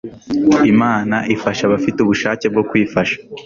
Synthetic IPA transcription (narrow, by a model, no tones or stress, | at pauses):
imaːnaʔifaʃaβafituβuʃaːceb̚ɡo̞kwiːfaʃḁ